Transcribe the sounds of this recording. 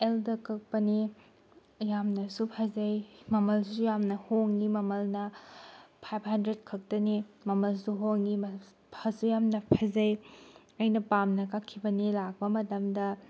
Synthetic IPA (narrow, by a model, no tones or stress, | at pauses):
eldɐkʰɐk̚pɐni | jamnɐsupʰɐzɐjmɐmɐlsujamnɐhoŋːimɐmɐlnɐ | pʰajp̚ʰhɐndɾed̚kʰɐk̚tɐnimɐmɐlsuɦoŋːi | pʰɐsujamnɐpʰɐzɐj | ɐjnɐpamnɐkakʰːibɐnilak̚pɐmɐtɐmdɐ